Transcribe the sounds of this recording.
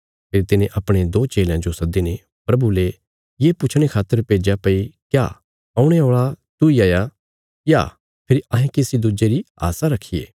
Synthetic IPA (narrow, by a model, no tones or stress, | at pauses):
pʰɪɾit̪ɪnẽʔɐpɽ̃ed̪oːt͡ʃeːljãd͡ʒosɐd̪ine | pɾɐbule | jeːpʊt͡ʃʰɽ̃ekʰaːt̪ːəɾpeːd͡ʒapɐikja̰ː | ɐːʊ̃ɽ̃eoːɭat̪uiaːja | ja̰ː | pʰɪɾiʔɐ̃ɦẽkeːsid̪ʊd͡ʒeɾia̰ːsaɾɐkʰːijḛː